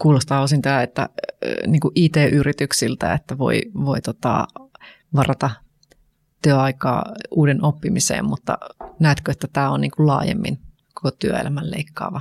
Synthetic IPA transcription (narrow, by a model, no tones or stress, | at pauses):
kuːlost̪ɑːosint̪ɑæet̪ːæ̰niːŋkuʔʔiːt̪eːʔyrit̪yksilt̪æ̰et̪ːæʋo̰iʋoit̪ot̪ɑ̰ | ʋɑrɑt̪ɑ | t̪yøɑikɑ̰ːuːdenopːimisḛːmmut̪ːɑ̰næːt̪køet̪ːæt̪æːonniːŋkullɑ̰ːjḛmːḭn | ko̥kot̪yøḛlʔæmællḛikːɑ̰ːʋɑ